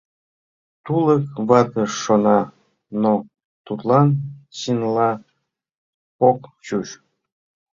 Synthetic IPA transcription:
t̪ulˠəkβɑd̪əʂonɑ | no | t̪ut̪lˠɑnɕinlˠɑ | pokt͡ɕuʃ

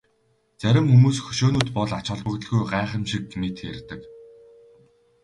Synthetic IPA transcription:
t͡sæɾʲɪ̆mxumuːsxɵ̥ʃoːnuːt̪pɔɮat͡ɕɔ̆ɮpə̆kt̪ə̆ɮɣujɢaːχə̆mʃik̚met̪xḛrʲt̪ɘ̆k

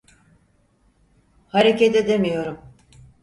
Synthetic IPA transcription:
haɾecet̪ed̪e̞mijo̞ɾum

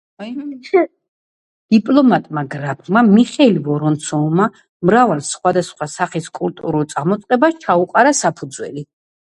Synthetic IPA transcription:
d̪̥ipʼlˠɔmat̪ʼmaɡɾab̚ʰmamiχɛlivɔɾɔnt̪sʰɔma | mɾavalˠsχwad̪asχwasaχiskʼult̪ʼuɾulˠt̪sʼaɾmɔt̪sʼqʼɛbaʃt͡ʃʰauqʼaɾasapʰud̪zwɛ̰li

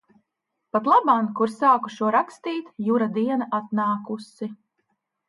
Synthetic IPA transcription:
pat̪lˠabamkuɾsaːku̥ʃuɔɾakst̪iːt̪juɾad̪iɛnaʔat̪̚naːkusi

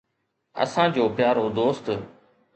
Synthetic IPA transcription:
ə̰sãːd͡ʑoːpɪjaːɾod̪oːst̪

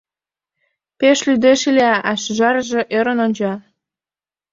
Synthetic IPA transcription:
peʃlyd̪eʃileɑʔɑʃʒɑɾəʒĕʔøɾə̆nonʲd͡ʑɑ

